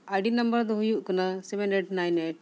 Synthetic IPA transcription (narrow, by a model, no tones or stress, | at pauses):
aɖinɐmbɐɾd̪ɔɦujuʔkɐnasɛmeneʈnajneʈ̚